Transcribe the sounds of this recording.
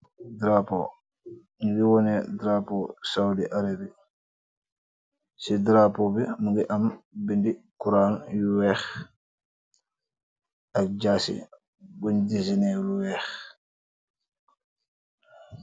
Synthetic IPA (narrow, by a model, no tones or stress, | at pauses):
dɾapɔ̰ | nuɡiwɔnɛdɾapɔsawdiʔaɾiɾi | sidɾapɔbimuɡiʔambindikuɾaːnjuwɛx | ʔak̚d͡ʒasḭ | bundizinɛluwɛːx